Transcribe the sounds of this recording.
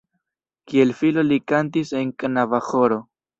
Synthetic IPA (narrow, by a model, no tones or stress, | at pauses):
kie̞lfilo̞likantise̞ŋkanavaxo̞ɾo̞